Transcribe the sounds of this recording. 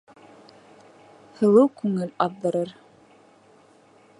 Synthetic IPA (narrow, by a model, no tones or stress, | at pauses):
hɤ̆lˠɤwkʉŋɘlɑððɤ̆ɾɤɾ